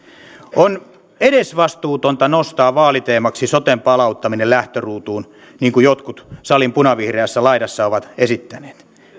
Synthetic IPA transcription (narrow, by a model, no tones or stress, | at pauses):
on | eɾesʋɑst̪uːt̪ont̪ɑnost̪ɑːʋɑːlit̪eːmɑksisot̪empɑlɑut̪ːɑminellæht̪øruːt̪uːn | niːŋkujot̪kut̪sɑlimpunɑʋihreæsːælɑidɑsːɑoʋɑt̪esit̪ːæne̥ːt̪